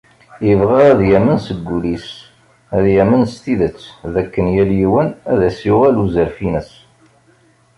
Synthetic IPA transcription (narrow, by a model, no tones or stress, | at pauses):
ivʁæɾæðjæmənsəɡːulis | æðjæmənst̪iðət͡sːðækːənjæljiwənæðæsjʊʁæluzəɾfinəs